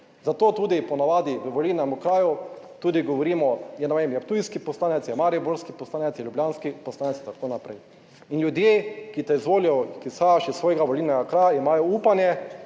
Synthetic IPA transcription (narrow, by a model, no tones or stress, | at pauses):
zat̪oːt̪uːd̪ipɔnaʋaːd̪iʋəʋolilnɛmukɾaːju | t̪uːd̪iɡɔʋɔɾiːmɔjɛnɛʋemjɛpt̪ujskipɔslaːnɛt̪sjɛmaɾibuɾskipɔslaːnɛt̪sjɛljubljaːnskipɔslaːnɛt̪sit̪akoːnapɾɛj | inljud̪jeːkit̪ɛizʋoːlijɔkisaʃisːʋoːjɡaʋɔlilnɛɡakɾaːjaimaːjɔuːpanjɛ